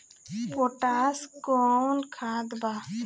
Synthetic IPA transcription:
pɔʈaskɔnkʰãd̪ba

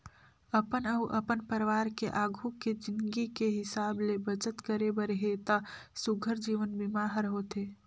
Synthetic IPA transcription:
ɐpənɐʊʔɐpənpəɾʋaːɾkeʔaːɡʱuked͡ʒɪ̃nd̪ɡikeɦɪsaːblebət͡ʃət̪kəɾebəɾɦeːt̪asʊɡʱəɾd͡ʒiːʋənbɪmaːɦəɾɦoːt̪eː

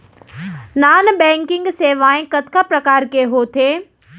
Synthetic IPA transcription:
naːnbɛ̃ːŋkɪ̃ŋɡseːʋaːẽkɐt̪kapɾɐkaːɾkeɦoːt̪ʰeː

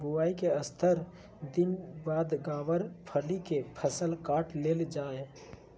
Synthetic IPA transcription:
bʊaːikeəst̪ʰəɾ | d̪ɪnbaːd̪ɡaːʋəɾpʰəlikepʰəsəlkaːʈleːld͡ʒaːe

